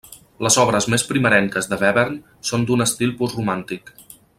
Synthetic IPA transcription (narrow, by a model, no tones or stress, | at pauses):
ləzɔβ̞ɾəzmespɾiməɾɛŋkəzðəβɛβeɾn | sond̪unəst̪ilˠpusrumant̪ik